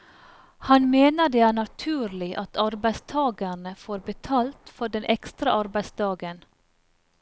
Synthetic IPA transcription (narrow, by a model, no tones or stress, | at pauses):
hɑnmeːnəɖ̪eːæːɳɑt̪ʰʉːɾlɪʔɑt̪ʰɑɾbæɪst̪ʰɑːɡəɳəfoːɾbət̪ʰɑːlt̪fɔɖɛnʔɛkst̪ɾɑʔɑɾbæɪsd̪ɑːɡən